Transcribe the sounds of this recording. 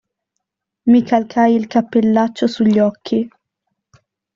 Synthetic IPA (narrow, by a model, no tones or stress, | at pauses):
mikʰalkʰajilkapːelːat͡ʃːosuʎːɔkʰːi